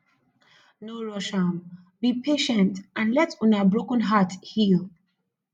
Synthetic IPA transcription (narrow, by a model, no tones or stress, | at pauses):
noɹɔʃam | bipʰeʃə̃ntʔãnlɛtʰɔ̃nabɹokə̃nɦathil